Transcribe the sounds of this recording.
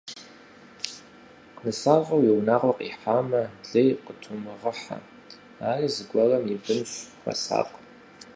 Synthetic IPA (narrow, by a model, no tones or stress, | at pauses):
qnɨsaːʁɐwjiwnaːʁʷɐqʼḭːħaːmɐɮejqətʰʊmɨʁəħa̰ | aːriːzɨɡʷɔrɐmjɪbɨmɕxʷɐ̰sa̰ːqʼ